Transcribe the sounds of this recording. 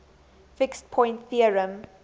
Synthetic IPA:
fɪkstpʰɔ̃j̃ntθiəɹə̃m

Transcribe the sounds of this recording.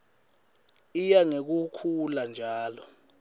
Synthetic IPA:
ijaŋek̬ukʰuland͡ʒʱaːlɔ

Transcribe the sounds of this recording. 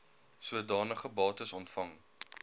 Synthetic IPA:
suədɑːnəχəbɑːtəsɔntfɐŋ

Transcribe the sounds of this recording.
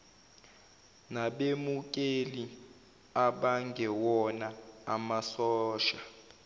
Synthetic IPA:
naɓemuk̬ʼeli | aɓaŋɡʱɛwɔnaamasɔːʃḁ

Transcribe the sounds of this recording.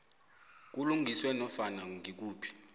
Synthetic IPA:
k̬uluŋʱiswɛnɔfanaŋik̬uːpʰi̥

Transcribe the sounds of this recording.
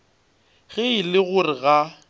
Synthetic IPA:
ɣɪɪlɪɣʊrɪɣa

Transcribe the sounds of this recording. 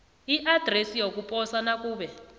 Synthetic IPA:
iʔad̥ʱresijok̬upʼɔsanakuːɓɛ

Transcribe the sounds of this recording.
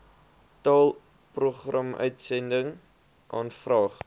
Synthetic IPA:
tɑːlˠ | pruχrɐmœ̰ɥtsɛndəŋ | ʔɑːnfrɑːχ

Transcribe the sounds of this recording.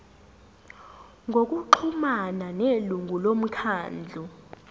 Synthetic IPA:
ŋɡʱok̬ʼuǃʰumananeluŋɡʱulom̩kʰaːnd͡ɮʱu

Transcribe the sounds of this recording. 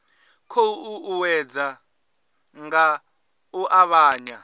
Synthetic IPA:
kʰouuwɛd͡za | ŋɡa | uʔaβaːɲa

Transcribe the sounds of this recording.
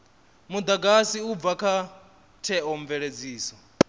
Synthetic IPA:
mud̪aɡasiub̪vakʰa | tʰɛɔɱvɛɺed͡ziːsɔ

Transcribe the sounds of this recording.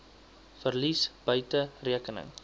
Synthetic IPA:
fərlisbœɥtəriəkənə̰ŋ

